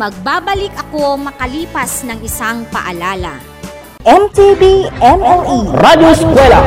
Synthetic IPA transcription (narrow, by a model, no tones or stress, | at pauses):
mɐɡ̚baːbɐlɪkɐko̞mɐkɐliːpɐsnɐŋɪsaŋpɐ̰ʔɐlaːlɐ̰ | ʔɛmt̪ibiʔɛmɛliɾad̪joskwɛlɐ